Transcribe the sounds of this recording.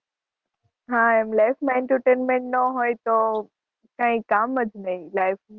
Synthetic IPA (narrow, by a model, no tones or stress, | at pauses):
ɦãːɛmlaːɪfmaɪ̃ɳʈəɾʈeːnmẽɳʈnoɦoːet̪oː | kãːɦĩkaːmɐd͡ʒnɐilaːɪf